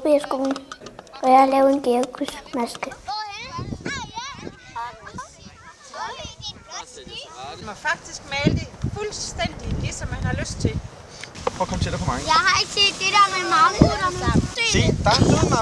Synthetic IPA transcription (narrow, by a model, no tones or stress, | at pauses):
b̥iɐsɡ̥o̝̰ːln̩ʔɒ̽jɑhɑlɛːʊe̝nɡ̥eɐkʰusmæsɡ̥ə | mɑfɑ̈ɡ̥̚d̥isɡ̥mɛːld̥əfulsd̥en̰d̥il̥esɒ̽mːænhɑ̈løsd̥̚t͡sʰe̝lʰ | ɒ̰ːkɒ̽mət͡sʰe̝l̥depʰɒmɑ̈jɑɪhɑ̈e̝ɡ̥se̝̰ːd̥ːeɾæɐmemɑ | sḛd̥ɑ̈hɑnoːmɑː